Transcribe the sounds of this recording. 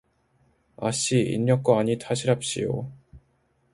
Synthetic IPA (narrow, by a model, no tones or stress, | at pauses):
a̰ɕ͈iḭɲːʌk̚k͈waaɲitʰaɕʰiɾap̚ɕ͈ḭjo̰